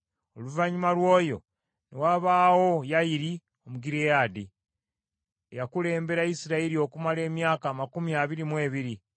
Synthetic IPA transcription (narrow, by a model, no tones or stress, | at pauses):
oluvaɲimalwo̞ːjo̞̰ | newaβaːwo̞jajiɾi | o̞muɡiɾejaːdi | ejakule̞ːmbe̞ɾaisiɾaeɾio̞kumale̞ːmjaːkaːmakumiaβiɾimwe̞ːβiɾi